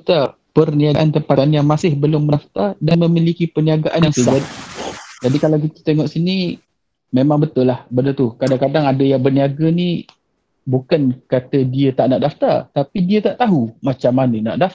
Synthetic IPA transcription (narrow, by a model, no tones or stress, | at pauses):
t̪a | pərniaʔant̪əmpaanjaŋmasɪhbəlʊmːəaft̪adanməmilikipəniaɡaʔanisudat̪ | d͡ʒadikalawk̬it̪ə̥t̪eŋɔʔsini | memãŋbət̪ʊlahbədət̪ukadaŋkadaŋadəjaŋbərniaɡəni | bukankat̪ədiət̪aʔnaʔdaft̪a̰rt̪apidiət̪aʔt̪aɦumat͡ʃamːanəna̰ʔda